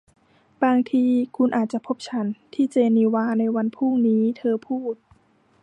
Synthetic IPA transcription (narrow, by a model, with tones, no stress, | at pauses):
baː˧ŋt̪ʰiː˧kʰu˧nʔaː˨˩t̪̚t͡ɕa˨˩pʰo˦˥p̚t͡ɕʰa˦˥nt̪ʰiː˥˩t͡ɕeː˧niː˧waː˧˥na˧jwa˧npʰuː˥˩ŋniː˦˥t̪ʰɤː˧pʰuː˥˩t̪̚